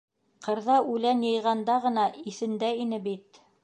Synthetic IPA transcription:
qʰɤ̆ɾðɑʉlænjɤ̆jʁɑnd̪ɑʁɤ̆nɑiθɘ̆nd̪æinɘbit̪

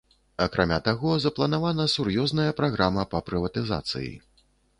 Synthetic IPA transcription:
ɐkɾʔamʲat̪aɣɔzɐplˠɐn̪avanɐsurjɔznɐjɐpɾaɣɾʔamɐpɐpɾɨvɐt̪ɨza̰t̪sɨ̰jḭ

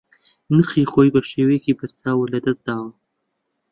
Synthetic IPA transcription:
nɨχiːχoːjbɐʃeːwekibɐɾt͡saːwɐlɐd̪ɐsd̪̥aːwɐ

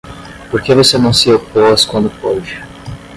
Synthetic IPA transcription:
poɾkevosenɐ̃w̃sɪoposkwɐ̃nd̪ʊpɔd͡ʒɪ

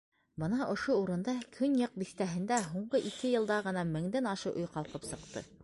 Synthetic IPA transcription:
bɤnɑʔŏʃouɾɤ̆nd̪ɑkʰɵnjɤq̚biθt̪æɦɘ̆nd̪æɦuɴɢɤʔikɘjɤ̆lˠd̪ɑʁɤ̆nɑmɘ̆ŋd̪ænɑʃɤʔŏjqɑlˠqɤpsɤ̆qt̪ɤ̰

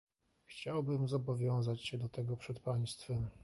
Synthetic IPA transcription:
xt͡ɕawbɘmzɔbɔvʲjɔ̃w̃zat͡ɕɕɛd̪ɔt̪ɛɡɔpʂɛt̪paj̃st̪fɛm

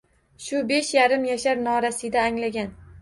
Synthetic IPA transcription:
ʃʊbe̞ʃjaɾɪmjaʃaɾnɒɾasɪd̪aːŋlaɡʲan

